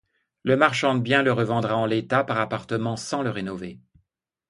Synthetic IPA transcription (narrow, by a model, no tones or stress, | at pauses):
ləmaʁʃɑ̃d̪əbjɛ̃ləʁəvɑ̃d̪ʁaɑ̃let̪apaʁapaʁt̪əmɑ̃sɑ̃ləʁenɔve